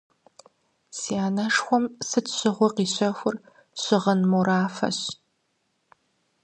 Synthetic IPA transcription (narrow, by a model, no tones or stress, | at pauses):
siaːnɐʂxʷɔmsɨtɕɪʁʷɔqiːɕɐxʷʊr | ɕɪʁɐnmuɾaːfɐ̰ɕ